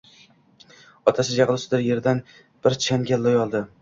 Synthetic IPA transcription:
ɒt̪ʰasɪd͡ʒaʁlˠʊsɪd̪ɪɾje̞ɾd̪an | b̥ɪɾt͡ʃʰanɡʲalːojɒlˠd̪ɪ

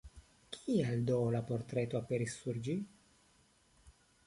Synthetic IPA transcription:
kʰiald̪olapoɾt̪ɾet̪oapeɾisːuɾd͡ʒi

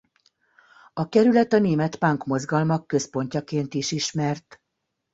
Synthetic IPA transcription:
ɒkɛɾylɛt̪ɒneːmɛt̪paŋkmo̞zɡɒlmɒkːø̞spo̞ɲcɒkeːnt̪iʃiʃmɛrt̪

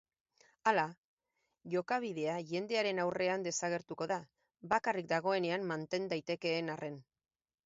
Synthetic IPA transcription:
ala | ʝo̞kaβ̞iðe̞aʝe̞nd̪e̞aɾe̞nawre̞and̪e̞saɣ̞e̞ɾt̪uko̞ða | βakarik̚d̪aɣ̞o̞e̞ne̞ammant̪e̞nd̪ajt̪e̞ke̞ːnarʔe̞n

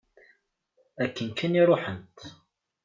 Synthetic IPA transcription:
ækːənkʰæniɾˤoħənt̪

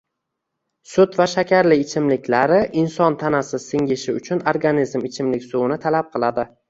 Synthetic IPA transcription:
sʊt̪vaʃakʲʰaɾlɪːt͡ʃʰɪmlɪkʲʰlaɾɪʔɪnsɒnt̪ʰanasɪsɪŋʲɪʃɪʊt͡ʃʰʊnoɾɡanizmɪt͡ʃʰɪmlɪkʲsʊwɪnɪt̪ʰalap̚qʰɨlˠad̪ɪ

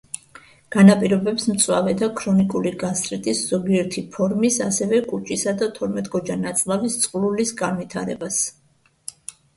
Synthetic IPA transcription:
ɡ̥anapʼiɾɔbɛpsmt̪sʼwa̰vɛd̪akʰɾɔnikʼuliɡast̪ʼɾit̪ʼisz̥ɔɡiɛɾt̪ʰipʰɔɾmisasɛvɛkʼut͡ʃʼisad̪at̪ʰɔɾmɛt̪ʼɡɔd͡ʒanat̪sʼlˠavist̪sʼqʼlulisɡanvit̪ʰaɾɛ̰bas

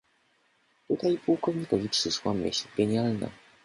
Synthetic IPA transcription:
t̪ut̪ajpuwkɔvɲikɔvʲipʂɘʂwamʲḛɕɡɛɲjalna̰

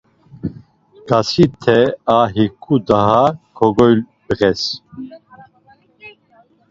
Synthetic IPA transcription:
ɡ̥asit̪ʰɛaɦikʰud̪aɦakʰɔɡɔjl | bəɣɛs

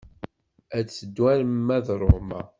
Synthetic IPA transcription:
æt͡sːəd̪wælmːæðɾˤomæ̰

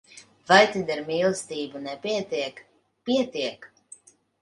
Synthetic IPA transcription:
vajt̪id̪ɛɾmʲiːlˠst̪iːbunɛpʲiɛt̪iɛk | pʲiɛt̪iɛk

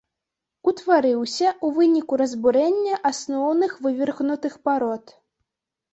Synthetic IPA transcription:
ut̪vaɾɨwsʲɐʔuvɨnʲikuɾɐzbuɾɛnʲːɐʔasnɔwnɨxvɨvʲirɣnut̪ɨxpaɾɔt̪

